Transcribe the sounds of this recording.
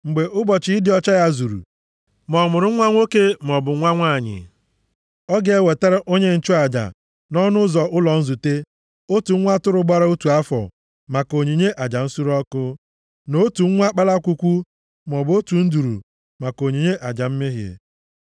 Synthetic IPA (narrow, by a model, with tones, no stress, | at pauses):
ŋ͡m̩˨ɡ͡be˨ʔʊ˦bɔ˨t͡ʃɪ˨˦ɪ˦dɪ˦ɔ˦t͡ʃa˦ja˦zu˨ɾṵ˨ | mɔ˨mʊ˨ɾʊ˦ŋʷa˦ŋʷo˦ke˦m̩˨ɔ˨bʊ˨ŋʷa˦ŋʷa˦˨ɲɪ̰˨ | ɔ˦ɡe˨e˦˨we˨te˦ɾa˦ʔo˦ɲe˦n̩˨t͡ʃʊ˦a˨d͡ʒa̰˨ | nɔ˦nʊ˦zɔ˨ʔʊ˦lɔ˨n̩˦zu˨te˦ | o˦tu˨ŋ̩˦ŋʷa˦tʊ˦ɾʊ˨ɡ͡ba˦ɾa˦u˦tu˨a˦fɔ̰˨ | ma˨ko˨ɲi˨ɲe˦ʔa˨d͡ʒa˨n̩˦su˦ɾɔ˦kʊ˦ | no˨˦tu˨ŋ̩˦ŋʷa˦k͡pa˦la˦kʷu˦kʷu˦ | m˨ɔ˨bo˦tu˨n̩˦du˨ɾṵ˨ | ma˨ko˨ɲi˨ɲe˦ʔa˨d͡ʒa˨m̩˦mɪ˦ɦɪ̰˨